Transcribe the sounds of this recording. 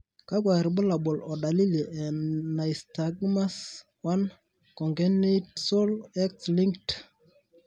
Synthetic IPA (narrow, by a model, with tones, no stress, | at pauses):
ka˦k̬wa˨ɾbʊ˦la˨ɓo˨lɔ˨ɗa˨li˦le˨ʔɛ˨na˨jsta˨ɡma˦s | wa˦n | kɔ˨ŋɡɛ˦ne˦tso˦lɛ˦ksli˦ŋkt